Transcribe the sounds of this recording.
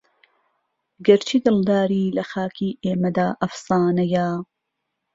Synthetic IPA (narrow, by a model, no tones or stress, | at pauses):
ɡɐɾt͡ʃʰiːd̪ɨld̪aːɾiːlɐxaːkʰiːʔeːmɐd̪aːʔɐfsɑːnɐja